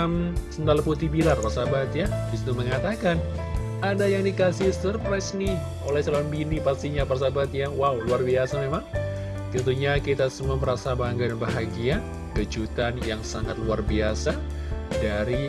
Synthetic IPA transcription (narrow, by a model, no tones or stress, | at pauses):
msəndalput̪ibilarpasabat̪jabis̬it̪uməŋat̪akan | adajaŋdikasisərpɾasnɪh | olɛhsəlalanbinipast̪iɲaparsabat̪jawauluarbiasamemaŋ | t̪ənt̪uɲakit̪asəmaməɾasabaŋɡadanbaɦaɡia | ɡəd͡ʒut̪anjaŋsaŋa̰t̪̚luarbiasadaɾi